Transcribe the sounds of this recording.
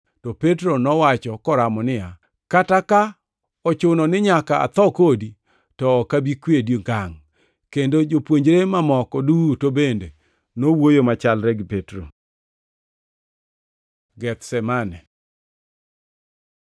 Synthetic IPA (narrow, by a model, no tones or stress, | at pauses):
tɔpet̬ɾonɔwat͡ʃɔkɔɾamɔnɪja | kataka | ɔt͡ʃʊnɔnɪɲakaa̰t̪ɔkodi | tɔːkabikwediɡaŋ | kendod͡ʒopwoɲd͡ʒɾemamɔkɔdutobende | nowojomat͡ʃalɾɛɡipetɾo̰ | ɡɛt̪sɛmanɛ